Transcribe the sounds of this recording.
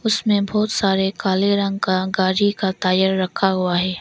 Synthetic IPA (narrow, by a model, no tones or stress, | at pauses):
ʊsmẽbɔːt̪saːɾekaːleɾɐ̃ŋɡkaɡaːɾikat̪aːjəɾːɐkʰːaɦuaɦɛː